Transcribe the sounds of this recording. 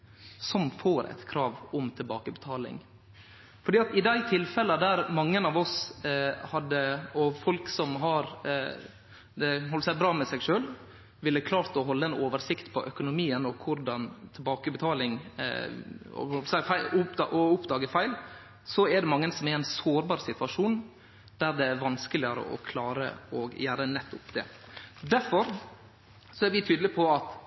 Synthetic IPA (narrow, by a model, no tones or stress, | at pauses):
sɔmfoːɾʔæ̰t̪kʰɾɑːʋʊmt̪ʰɪlbɑːkəbɛt̪ʰɑːlɪ̰ŋ | fɔɖiːɑt̪ɪd̪æɪt̪ʰɪlfɛləd̪æɾmɑŋːənɑːʋɔs | hɑd̪ːəɔfɔlksɔmɦɑɾ | d̪ɛɦɔlpəsæɪbɾɑːmɛsɛɡʂøːl | ʋɪlːkʰlɑːɾt̪ɔɦɔlːəɛnoːʋəɾsɪkt̪pʰɔ̰ʔœkʊnʊmiːənɔkʰʊɾɖ̪ɑnt̪ʰɪlbɑːkəbət̪ʰɑːlɪŋ | ɔ̰hɔlsæfæɪʊp̪ɑʔɔʊpd̪ɑːɡəfæɪl | sɔɛɾɖ̪ɛmɑŋːənsɔmæɾæɪnsoːɾbɑːɾsɪt̪ʋɑʂuːn | d̪̥æɾd̪ɛæɾʋɑnskəlɪəɾə̰ʔɔ̰kʰlɑːɾə̰ɔɡjæːɾənɛt̪ːʊpd̪̥ɛ̰d̪æɾfɔɾ | sɔæɾʋɪt̪ʰyːd̪lɪpʰɔɑt̪